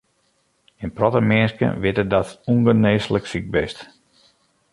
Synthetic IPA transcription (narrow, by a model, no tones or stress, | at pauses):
ɪnprɔtəmɪənskə̰nʋɪtədɔtuŋɡəneːsləksik̚bɪst